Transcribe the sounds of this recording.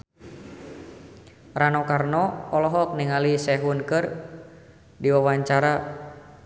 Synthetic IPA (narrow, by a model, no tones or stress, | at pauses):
ranɔkarnɔɔlɔɦɔk̚niŋalisɛɦunkɨr | diwawaɲt͡ʃaɾa